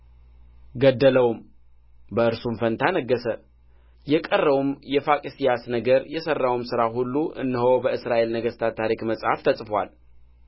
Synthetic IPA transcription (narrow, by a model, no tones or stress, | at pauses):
ɡəd̪ːələwm | bəʔɨɾsumfənt̪ʰanəɡːəsə | jɛkʼərːəwumjɛfakʼisijasnəɡəɾjɛsərːawumsɨɾaɦulːuʔɨ̰nːɨɦowbəɨsɾaʔe̞lnəɡəst̪ʰat̪ʰːaɾikməsʼha̰ft̪ʰəsʼfwa̰l